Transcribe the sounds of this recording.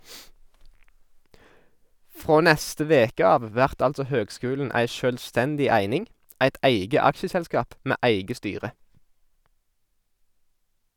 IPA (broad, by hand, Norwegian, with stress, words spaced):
ˈfʁoː ˈnɛstə ˈʋeːkə ˈɑːʋ ˈʋæʁt ˈɑltsɔ ˈhøːɡˌskʉːln̩ ˈæɪ ˈʃøːlˌstɛndɪ ˈæɪnɪŋ ˈæɪt ˈæɪɡə ˈɑkʃəsɛlˌskɑːp ˈmeː ˈæɪɡə ˈstyːʁə